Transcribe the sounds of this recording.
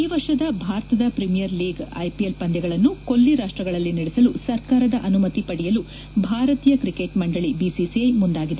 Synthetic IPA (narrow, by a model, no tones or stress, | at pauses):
iːʋɐɾʂɐd̪ɐbʱaːɾɐt̪ɐd̪ɐpɾimijɐɾliːɡɐ̰jpielpɐnd̪ɛɡɐɭɐnːuko̞lːiɾaːʂʈɾɐɡɐɭɐlːiniɽɛsɐlusɐɾkaːɾɐd̪ɐʔɐnumɐt̪ipɐɽijɐlu | bʱaːɾɐt̪iːjɐkɾikeʈmɐɳɖɐɭibisisiɐjmund̪aːɡid̪e